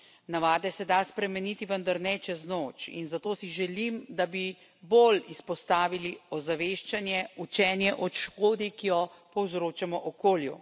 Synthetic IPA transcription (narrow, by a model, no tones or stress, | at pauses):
naʋaːd̪ɛsɛd̪aspɾɛmɛniːt̪iʋənd̪aɾnɛt͡ʃɛznoːt͡ʃḭnzat̪oːsiʒɛlimd̪abi | bolispɔst̪aːʋiliɔzaʋeːʃt͡ʃanjɛut͡ʃɛːnjɛʔɔt̪ʃkoːd̪ikijɔpɔwzɾoːt͡ʃamɔʔɔkoːlju